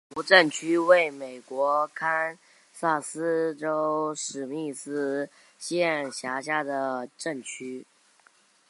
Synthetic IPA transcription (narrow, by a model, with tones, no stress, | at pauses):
u˧˥ʈ͡ʂə˥˩nt͡ɕʰy˥we˥˩ɪme˨˩ɪkwɔ˧˥kʰa˥n | sa˥˩sɹ̩˥ʈ͡ʂo˥ʊʂɻ̩˨˩mi˥˩sɹ̩˥ | ɕjɛ˥˩nɕja˧˥ɕja˥d̪ə˨ʈ͡ʂə˥˩nt͡ɕʰy˥